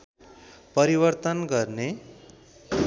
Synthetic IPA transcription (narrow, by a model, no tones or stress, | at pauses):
pʌɾibʌrt̪ʌnɡʌrne